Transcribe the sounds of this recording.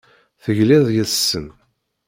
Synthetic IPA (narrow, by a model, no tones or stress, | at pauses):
θəʝliðˤjəsːən